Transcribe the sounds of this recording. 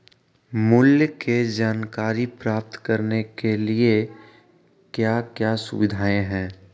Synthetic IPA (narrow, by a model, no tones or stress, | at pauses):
mʊljked͡ʒaːnkaːɾipɾaːp̚t̪kɐɾnekelie | kjaːkjaːsʊ̰ʋɪd̪ʱaːẽɦɛ̃ː